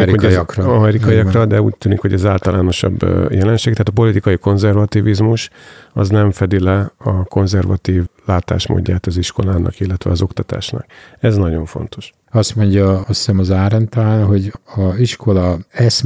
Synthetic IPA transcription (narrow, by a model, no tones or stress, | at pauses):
ɾiokrɒmɛɾikɒjiɒkrɒd̪ɛuːc̚t̪yːnikho̞ɟɛzaːlt̪ɒlaːno̞ʃɒ̰bːjɛlɛnʃeːɡ̚t̪ɛɦaːt̪ɒpo̞lit̪ikɒjiko̞nzɛrvɒt̪ivizmuʃɒ̰znɛɱfɛd̪ilɛɒko̞nzɛrvɒt̪iːvlaːt̪a̰ːʃmo̰ːɟːaːt̪ɒziʃko̞laːnɒ̰kilːɛt̪ʋɛ̰ɒzo̞kt̪ɒt̪a̰ːʃnɒ̰kɛznɒɟo̞ɱfo̞̰nt̪ʰo̞̥ʃ | ɒst̪mo̞ɲɟɒɒsɛmɒzaːɾɛnt̪alaːnɦo̞ɟɒziʃko̞lɒɛs